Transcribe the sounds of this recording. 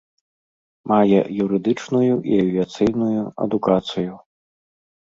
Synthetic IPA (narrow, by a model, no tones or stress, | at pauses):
majɛ̰juɾɨd̪ɨt͡ʂnujuʔḭɐvʲiat̪sɨjnujuɐ̰d̪ukat̪sɨju